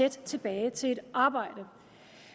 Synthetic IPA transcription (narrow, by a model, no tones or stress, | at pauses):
ed̥t͡sʰe̝b̥ɛːɪt͡sʰe̝e̝d̥ʔɑ̈ːb̥ɑ̈ɪ̰d̥ə